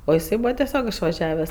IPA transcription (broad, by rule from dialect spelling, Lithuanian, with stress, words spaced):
oː ɪˈsɐɪ ˈbuːʋɐ tʲɛˈsʲoːk ɪʃʋɐˈʒʲæːʋʲɛs